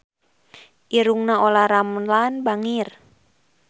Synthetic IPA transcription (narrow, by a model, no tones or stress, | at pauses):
ʔiɾuŋnaolaɾamlanbaŋir